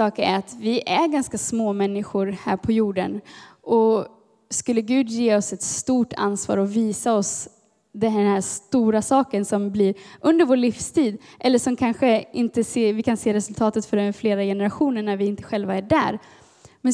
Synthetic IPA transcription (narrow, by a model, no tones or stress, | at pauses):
ɑːkæ̰ɾat̪vɪʔæɾɡanskasmoːmɛnːɪɧʊɾhæ̰ːɾpʰɔjuːɖənɔ | skɵlːəɡʉ̟ːd̪jeːɔsɛt̪st̪uːʈʰa̰nsvɑ̰ːɾɔviːsaɔs | d̪ɛnhæːst̪uːɾasɑːkənsɔmbliːɾʔɵnd̪əɾvoːɭifst̪ʰiːd̪ʔɛlːəʂɔmkʰanɧəɪnt̪əseːvɪkʰanseːɾɛsɵlt̪ʰɑːt̪ət̪fœɖɛnfleːɾajɛnəɾaɧuːnəɳːæɾvɪɪnt̪ə̥ɧɛlvaæɖæ̰ːɾ | mɛn